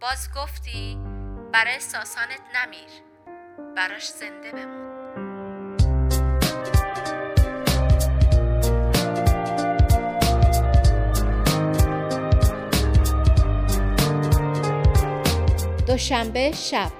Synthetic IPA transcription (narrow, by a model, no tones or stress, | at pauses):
b̥ɒːzɡoft̪iːb̥æɾɒːjesɒːsɒːnet̪ʰnæmiːɾ | b̥æɾɒːʃz̥e̞nd̪e̞be̞mun | d̪̥oʃæmbe̞ʃæb̥